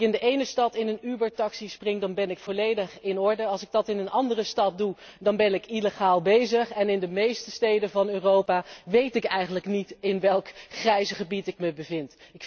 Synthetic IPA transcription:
ɪndəʔejnəstɑtɪnənybəɹtɑksisprɪŋdɑnbɛnɪkfolejdəχɪnɔɹdəɑlˠsɪɡ̚dɑtɪnənʔɑndərəstɑt̚dudɑnbɛnɪkiləχaːlˠbejzəχɛnɪndəmejstəstejdəvɑnøːrowpaːʋejtɪkɛjχənləknitɪnʋɛlˠkχrɛjzəχəbitɪk̚məbəvɪntɪk

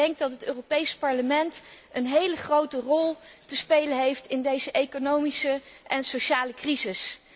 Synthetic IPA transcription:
ɛŋk̚dɑtɦətøːropejspɑɹləmɛntənɦejləχrowtərɔlˠtəspejlənɦejftɪndejzəʔejkonowmisəʔɛnsowʃaːləkrizɪs

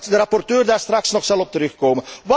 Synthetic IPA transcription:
dəɾɑpɔrtøːrdaːrstrɑksnɔχsɑlˠɔp̚təɾɵχkoːməʋ

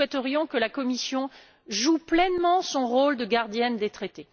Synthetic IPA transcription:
wɛt̪əʁjɔ̃kəlakɔmisjɔ̃ | ʒuplɛnmɑ̃sɔ̃ʁold̪əɡaʁd̪jɛnd̪et̪χet̪e

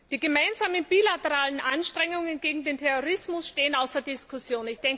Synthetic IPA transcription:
d̥iːɡəmaɪnzaːmənbiːlatəʁaːlənʔanʃtʁ̥ɛŋʊŋənɡeːɡŋ̩deːntʰɛʁoʁ̞ɪsmʊsʃteːənaʊsd̥ɐɐdɪskʰʊsjoːnɪçd̥ɛŋk

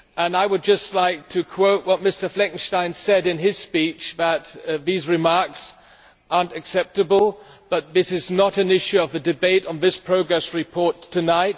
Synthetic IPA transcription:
ə̃naɪwɨd̚d͡ʒʌstˡlaɪk̚tʰɨkʰw̥oʊʔ̚wʌt̚mɪstə˞flɛ̃kn̩ʃtãɪ̃nsɛɾɨ̃nɪz̥spit͡ʃðət̪̚ðizɹɨmɑɹks | ʔɑɹntɨksɛp̚tɨbəl̩ˠb̥ʌt̪̚ðɪsɨznəɾɨ̃nɪʃʉʌvðɨdɨbeɪɾn̩ðɪspʰɹ̥oʊɡɹɛsɹɨpʰɔɹtʰɨnaɪt̚

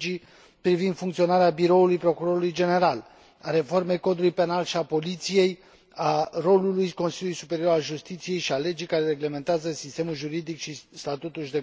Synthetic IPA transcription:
i | pɾivind̪fuŋkt̪sio̞naɾeabiɾo̞ulujpɾo̞kuɾo̞ɾulujd͡ʒe̞ne̞ɾal | aɾe̞fo̞rme̞jko̞d̪ulujpe̞nalʃiapo̞lit̪sije̞j | aro̞lulujko̞nsiljulujsupe̞ɾio̞ɾalʒust̪it̪sije̞jʃiale̞d͡ʒijkaɾe̞ɾe̞ɡleme̞nt̪eazəsist̪e̞mulʒuɾid̪ikʃist̪at̪ut̪ulʃd̪e̞

